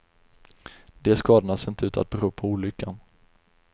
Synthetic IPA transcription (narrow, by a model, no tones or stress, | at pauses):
d̪ɛæʂkɑːd̪anasɪnt̪əʉ̟ːt̪ʰa̰t̪̚bɛɾuːpʰɔuːlʏkːan